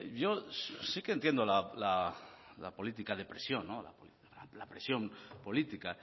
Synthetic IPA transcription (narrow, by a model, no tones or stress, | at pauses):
ʝo̞sikent̪je̞nd̪olalala̰po̞lit̪ikaðe̞pɾesjo̞nːola̰po | alapɾesjo̞mpo̞lit̪ika